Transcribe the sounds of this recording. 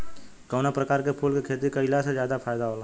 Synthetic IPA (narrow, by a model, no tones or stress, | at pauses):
kəːnapɾəkaːɾkepʰuːlkekʰeːt̪ikəɪlased͡ʒjaːd̪apʰaːjd̪aɦoːlaː